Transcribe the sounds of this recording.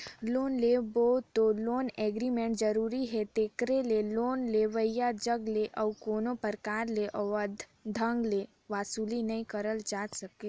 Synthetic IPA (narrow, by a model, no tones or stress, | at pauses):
loːnleːbot̪oloːneːɡɾimẽɳʈd͡ʒəɾuːɾiɦɛt̪eːkɾeleloːnleʋəɪjad͡ʒəɡleʔɔkoːnopəɾkaːɾleʔɔəd̪ʱ | d̪ʱə̃ŋɡle | ʋaːsuːlinɐɦĩkəɾəld͡ʒaːd͡ʒ̪səke